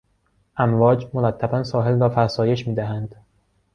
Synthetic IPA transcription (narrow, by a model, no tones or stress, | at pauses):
ʔæmvɒːd͡ʒmoɾæt̪ʰːæbænsɒːɦe̞lrɒːfæɾsɒːje̞ʃmiːd̪æɦænd̪̥